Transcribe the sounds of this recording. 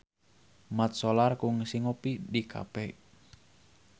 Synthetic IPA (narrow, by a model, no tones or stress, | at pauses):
mat̪̚solarkuŋsiŋopidikʰa̰pɛ